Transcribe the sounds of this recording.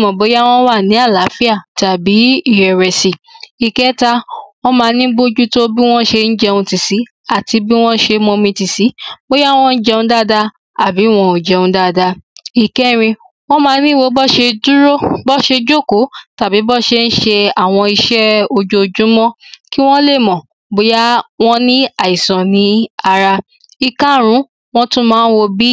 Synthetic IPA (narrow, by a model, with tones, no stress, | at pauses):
mɔ̃˨bo˨˦ja˦w̃ɔ̃˦wa˦˨nĩ˨˦a˦˨la˨˦fi˦a˦˨ta˨bi˨˦i˦˨ɾɛ˨ɾɛ˨si˨i˨kɛ˦ta˧wɔ̃˦mãː˨˧˦nĩ˦bo˦d͡ʒu˦to˦bi˦w̃ɔ̃˦ʃe˧n̩˦d͡ʒɛ˧ũ˧ti˨si˨˦ | a˦˨ti˨˧bi˦w̃ɔ̃˦ʃe˧mɔ̃˧mĩ˧ti˨si˨˦bo˦ja˦wɔ̃˦ɔ̃˦n̩˦d͡ʒɛ˧ũ˧˦da˦da˧ | a˨bi˨˦˨w̃ɔ̃˧o˨d͡ʒɛ˧ũ˨˧˦da˦˨da˧i˨kɛ˦ɾ̃ĩ˧ | w̃ɔ̃˦mãː˨˦nĩ˦˨wo˧˦bɔ˦ʃe˧du˦ɾo˦bɔ˦ʃe˧d͡ʒo˦˨ko˨˦ta˨bi˨˦bɔ˦ʃe˧n̩˦ʃe˧a˦˨w̃ɔ̃˧i˧ʃɛ˦o˧d͡ʒo˧d͡ʒũ˨˦mɔ̃˦ki˦w̃ɔ̃˦le˦˨mɔ̃˨ | bo˨˦ja˦w̃ɔ̃˦nĩ˦a˨i˨sɔ̃˨nĩ˨˦a˧ɾa˧ | i˧kã˦ɾ̃ũ˨˦ | w̃ɔ̃˦tũ˦mãː˨˦n̩˦wo˧bi˦